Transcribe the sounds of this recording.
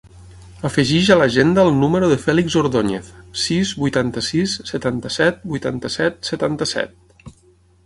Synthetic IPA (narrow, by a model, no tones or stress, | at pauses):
əfəʒiʒələʒend̪əːlˠnuməɾuðəfɛliɡzoɾðoɲḛθsizbujt̪ant̪əsisːət̪ant̪əsɛt̪̚bujt̪ant̪əsɛt̪̚sət̪ant̪əsɛ̰t̪̚